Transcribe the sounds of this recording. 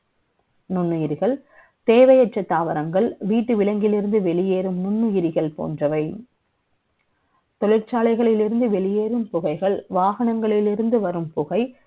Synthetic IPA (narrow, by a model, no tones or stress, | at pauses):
nʊnːɯjɪɾɪɣɐɭ | t̪eːʋɐjɐʈt͡ʃːɐt̪ːaːʋɐɾɐŋɡɐɭʋiːʈːɯʋɪlɐŋɡɪlɪɾɯnd̪ɯʋɛɭɪjeːɾɯmnʊɳːɯjɪɾɪɣɐɭpo̰ːndrɐʋɐɪ | t̪ɔɻɪɾt͡ʃaːlɐɪɣɐɭɪlɪɾɯnd̪ɯʋɛɭɪjeːɾɯmpʊɣɐɪɣɐɭʋaːɣɐɳɐŋɡɐɭɪlɪɾɯnd̪ɯʋɐɾɯmpʊɣɐɪ